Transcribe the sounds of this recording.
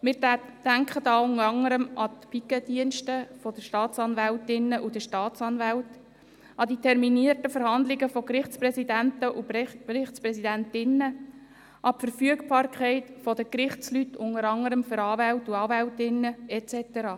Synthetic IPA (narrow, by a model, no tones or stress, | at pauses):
mɪːɾd̥æŋkχədɑːʊnəɾɑŋəɾəmɑt̪pikəd̥̪iənʃtəfɔd̥̪əʃtɑːtt͡sɑnvæltɪnːəʔud̪əʃtɑːtsɑnvælt | ɑd̪itʰɛɾminiərtəfəɾhɑnd̪lɪɡəfɔkɾɪχt͡spɾɛsidæntəʔuɾɪχtt͡sprɛsidæntɪnːə | ʔɑpfəɾfyəkb̥ɑːrkʰχɛɪtfɔd̪əkɾɪχt͡slytːʰʊŋəɾɑŋəɾəmfʏɾɑːvæltuɑːvæltɪnːəɛt͡sɛtəɾɑː